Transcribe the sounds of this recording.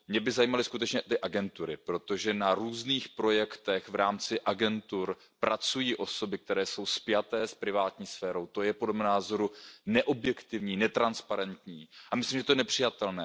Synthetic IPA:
mɲɛbɪzajiːmalɪskut̪ɛt͡ʃɲɛʔt̪ɪʔaɡɛnt̪uɾɪpɾo̞t̪o̞ʒɛnaɾuːzniːxpɾo̞jɛkt̪ɛxvɾaːmt͡sɪʔaɡɛnt̪uɾ | pɾat͡sujiːʔo̞so̞bɪk̚t̪ɛɾɛːso̞wspɪjat̪ɛːspɾɪvaːt̪ɲiːsfɛːɾo̞wt̪o̞jɛpodlɛmnaːzo̞ɾunɛʔo̞bjɛkt̪ɪvɲiːnɛt̪ɾanspaɾɛnt̪ɲiːʔamɪslimʒɛt̪onɛpr̝̥ɪjat̪ɛlnɛː

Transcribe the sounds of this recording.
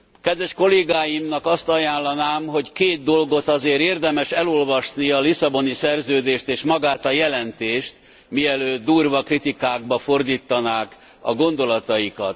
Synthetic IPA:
kɛd̪ʋɛʃko̞leːɡaːjimnɒkɒst̪ɒjaːnlːɒnaːmɦo̞ckeːt̪̚d̪o̞lɡo̞t̪ɒzeːɾeːrd̪ɛmɛʃɛlolvɒʃniɒlisɒbo̞nisɛrzøːd̪eːʃt̪eːʃmɒɡaːt̪ɒjɛlɛnt̪eːʃt̪ | miɛløːd̪̚d̪uːrvɒkrit̪ikaːɡ̚bɒfo̞rd̪iːt̪ːɒnaːk | ɒɡo̞nd̪o̞lɒt̪ɒjikɒ̰t̪

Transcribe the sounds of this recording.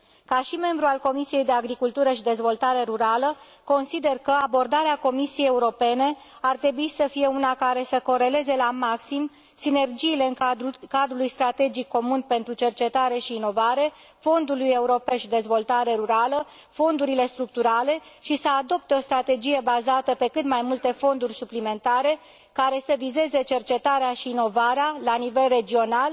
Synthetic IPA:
kaʃime̞mbɾualko̞misije̞jd̪e̞aɡɾikult̪uɾəʃid̪e̞zvo̞lt̪aɾe̞ɾuɾalə | ko̞nsid̪e̞rkəabo̞rd̪aɾeako̞misijejeuɾo̞pe̞ne̞ | art̪ɾe̞buisəfije̞unakaɾe̞səko̞ɾe̞le̞ze̞lamaksim | sine̞rd͡ʒiːle̞ɨŋɾukad̪ɾulujst̪ɾat̪e̞d͡ʒikːo̞munpe̞nt̪ɾut͡ʃe̞rt͡ʃe̞t̪aɾe̞ʃiːno̞vaɾe̞ | fo̞nd̪uluje̞uɾo̞pe̞ʃd̪e̞zvo̞lt̪aɾe̞ɾuɾalə | fo̞nd̪uɾile̞st̪ɾuk̚t̪uɾale̞ | ʃisəad̪o̞p̚t̪e̞o̞st̪ɾat̪e̞d͡ʒije̞bazat̪əpe̞kɨt̪majmult̪e̞fo̞nd̪urʲsuplime̞nt̪aɾe̞ | kaɾe̞səvize̞ze̞t͡ʃe̞rt͡ʃe̞t̪aɾeaʃiːno̞vaɾealanive̞lre̞d͡ʒio̞nal

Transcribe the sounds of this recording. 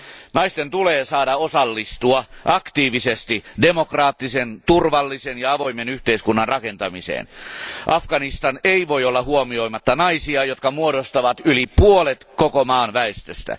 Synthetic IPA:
nɑist̪ent̪uleːsɑːdɑosɑlːist̪uɑʔɑkt̪iːʋisest̪idemokrɑːt̪ːisent̪urʋɑlːisenjɑɑʋo̞imenyht̪eiskunːɑnrʔɑke̞nt̪ɑmisḛːnʔɑfɡ̥ɑnist̪ɑneiʋo̞jolːɑhuomio̞jmɑt̪ːɑnɑisiɑjot̪kɑmuoɾost̪ɑʋɑt̪ylipuolet̪kokomɑːnʋæest̪øst̪æ̰

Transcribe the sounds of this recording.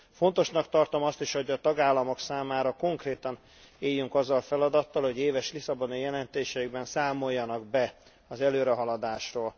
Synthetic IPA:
fo̞nt̪o̞ʃnɒkt̪ɒrt̪o̞mɒst̪iʃho̞ɟɒt̪ɒɡaːlːɒmo̞ksaːmaːɾɒko̞ŋkreːt̪ɒn | eːjːyŋkɒzːɒlfɛlɒd̪ɒt̪ːɒlho̞ɟeːvɛʃlisɒbo̞nijɛlɛnt̪eːʃɛiɡbɛnsaːmo̞jːɒnɒɡ̚bɛ | ɒzɛløːɾɛɦɒlɒd̪aːʃroːl

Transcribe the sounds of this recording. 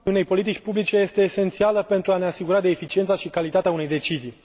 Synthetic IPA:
une̞jpo̞lit̪it͡ʃʲpublit͡ʃe̞je̞st̪e̞ːse̞nt̪sialəpe̞nt̪ɾuaneasiɡuɾad̪e̞ːfit͡ʃiet̪saʃikalit̪at̪eaune̞jd̪e̞t͡ʃizij

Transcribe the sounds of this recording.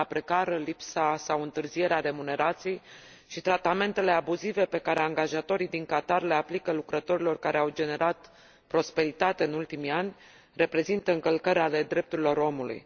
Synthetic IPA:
apɾe̞kaɾəlipsasawɨnt̪ɨrzije̞ɾeaɾe̞mune̞ɾat̪sijej | ʃit̪ɾat̪ame̞nt̪e̞le̞abuzive̞pe̞kaɾe̞aŋɡaʒat̪o̞ɾijd̪iŋkat̪arle̞aplikəlukɾət̪o̞ɾilo̞rkaɾeawd͡ʒe̞ne̞ɾʔat̪ | pɾo̞spe̞ɾit̪at̪eɨnult̪imianʲ | re̞pɾe̞zint̪əɨŋkəlkəɾeale̞d̪ɾe̞p̚t̪uɾilo̞ɾo̞mulṵj

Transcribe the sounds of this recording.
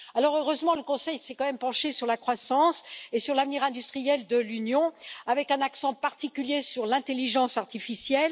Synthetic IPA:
alɔʁøʁøzmɑ̃ləkɔ̃sɛjsɛkɑ̃mɛmpɑ̃ʃesyʁlakχwasɑ̃sesyʁlavniʁɛ̃d̪yst̪χijɛld̪əlynjɔ̃avɛkɛ̃naksɑ̃paʁt̪ikʲyljesyʁlɛ̃t̪eliʒɑ̃saʁt̪ifisjɛl

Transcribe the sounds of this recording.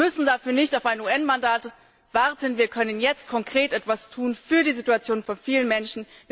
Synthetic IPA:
mʏsn̩dafyːɐnɪçtaʊfaɪnuːɛnmandaːt | v̥aɐtʰənviːɐkʰœnənjɛt͡stkʰɔŋkʁ̥eːtʔɛtv̥astʰuːnfyːɐdiːzituat͡sjoːnfɔnfiːlənmɛnʃn̩v

